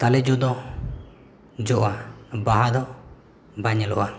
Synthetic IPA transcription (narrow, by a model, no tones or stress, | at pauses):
t̪alɛd͡ʒɔd̪ɔ | d͡ʒɔʔabaɦad̪ɔ | baɲalɔʔa